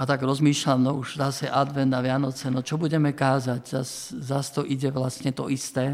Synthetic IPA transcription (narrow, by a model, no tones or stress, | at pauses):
at̪aɡɾɔzmiːʃlamnɔuʒzasɛʔad̪ʋɛnd̪aʋɪanɔt͡sɛnɔt͡ʃɔbuɟɛmɛkaːzaɟzas | zast̪ɔʔiɟɛʋlastɲɛt̪ɔ̰ʔist̪ɛː